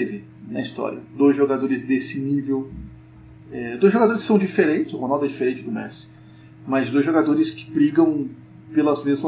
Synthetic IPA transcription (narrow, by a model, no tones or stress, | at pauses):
vɪ | nɐist̪ɔ̰ɾḭɐ̰d̪ojzʒoɡad̪oɾɪzd̪esɪnivew | ɛd̪ojzʒoɡad̪oɾɪskɪ̥sɐ̃w̃d͡ʒifeɾẽnt͡ʃɪz̥ʊhonawˠd̪ɛd͡ʒifeɾẽnt͡ʃɪd̪ʊmɛ̰sɪ̥ | mɐzd̪ojzʒoɡad̪oɾɪskɪ̥bɾiɡɐ̃w̃ | pelɐzmezmɐ